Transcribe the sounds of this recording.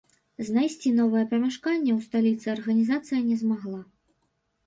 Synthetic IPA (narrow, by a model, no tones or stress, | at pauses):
znajsʲt͡sʲinɔvɐjɛpɐmʲɛʂkanʲːɛwst̪alʲit̪sɨɐrɣɐnʲizat̪sɨjɐnʲɛzmaɣlˠa